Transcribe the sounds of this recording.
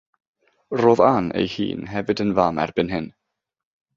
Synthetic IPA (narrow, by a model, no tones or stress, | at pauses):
roːðanḛjhḭːnɦɛvɨdənvamɛ̰rbɨnɦɪn